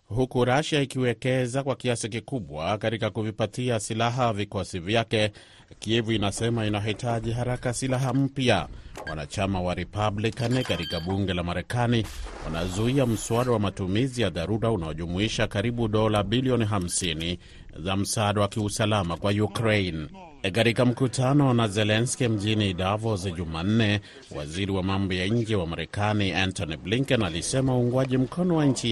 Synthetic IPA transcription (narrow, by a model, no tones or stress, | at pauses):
hukuɾaʃaikiwɛkɛzakwakiasikikuɓwakaɾikakuvipatiasilaɦavikɔsivjakɛ | kiɛvuinasɛmainaitʰaʄiɦaɾakasilaɦam̩pja̰wa̰na̰t͡ʃamawaɾɛpablikanikaɾikaɓuŋɡɛlamaɾɛkaniwa̰nazuiam̩suaɗawamatumizijaðaɾuɾaunaɔʄumuiʃakaɾiɓuɗɔlaɓiliɔniɦam̩sini | zam̩saːɗawakiusalamakwajukɾejn | kaɾikam̩kutanɔnazɛlɛnskim̩ʄinidavɔzʄuman̩nɛ | wa̰ziɾiwamambɔjaɲ̩d͡ʒɛwamaɾɛkaniantɔnibliŋkɛnalisɛmauːŋɡwaʄim̩kɔnɔwaɲt͡ʃi